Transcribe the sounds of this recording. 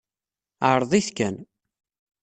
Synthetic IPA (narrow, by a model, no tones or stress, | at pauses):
aɾˤðˤiθkæn